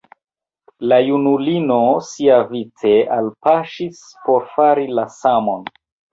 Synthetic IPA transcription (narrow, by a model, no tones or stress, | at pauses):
lajunulino̞siavit͡se̞ʔalpaʃis | po̞ɾfaɾilasamo̞n